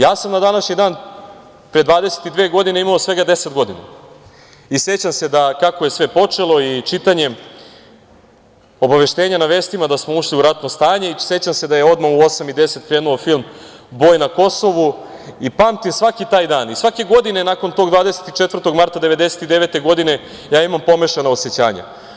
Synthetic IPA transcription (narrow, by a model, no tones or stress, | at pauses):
jaːsamnad̪anaʃɲid̪aːn | pɾed̪ʋaːd̪ese̥t̪id̪ʋeːɡo̞d̪ineimaosʋe̞ɡad̪e̞set̪ɡo̞d̪ine | isje̞t͡ɕamse̞d̪akakoje̞sʋe̞po̞t͡ʂe̞lˠo̞it͡ʃit̪aɲe̞ | o̞baʋe̞ʃt̪e̞ːɲanaʋe̞ːst̪imad̪asmouʂliuɾat̪nost̪aːɲe̞ise̞t͡ɕamse̞d̪ajeo̞d̪mauo̞samid̪e̞se̞t̪̚kɾeːnuofilˠm | bo̞ːjnako̞so̞ʋu | ipaːmt̪imsʋakit̪aːjd̪aːnisʋake̞ɡo̞d̪inenako̞nt̪o̞ɡd̪vʋaːd̪ese̥t̪it͡ʃet̪vr̩t̪o̞ɡmaɾt̪ad̪e̞ʋe̞d̪e̞se̞t̪id̪e̞ʋe̞t̪e̞ɡo̞d̪ine̞ | jaːimampo̞meʃenaoset͡ɕa̰ːɲa̰